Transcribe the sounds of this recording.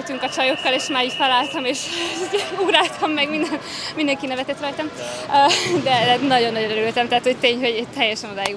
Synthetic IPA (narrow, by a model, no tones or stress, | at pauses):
lt̪yŋkɒt͡ʃɒjo̞kːɒleːʃmaːɾiːcfɛlaːlt̪ɒmeːʃ | uɡɾaːlt̪ʰɒmːɛɡmind̪ɛn | mind̪ɛŋkinɛvɛt̪ɛt̪rɒjt̪ɒmød̪ɛd̪ɛnɒɟonːɒɟonøɾylt̪ɛmt̪ɛɦaːt̪ho̞ct̪eːɲɦo̞ɟɛt̪ɛjːɛʃɛnod̪aːji